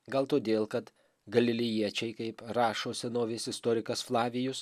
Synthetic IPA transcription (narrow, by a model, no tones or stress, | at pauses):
ɡɐlˠt̪oːd̪ʲeːlˠkɐt̪ | ɡɐlʲɪlʲɪjiɛt͡ʃʲɛɪkɐɪpɾɑːʃoːsʲɛnoːʋʲɪsɪst̪oːɾʲɪkɐsflˠɑːʋʲɪjʊs